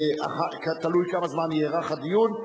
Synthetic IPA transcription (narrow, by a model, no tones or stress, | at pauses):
a̰χakat̪alujkamazmanjeʁaχad̪ijun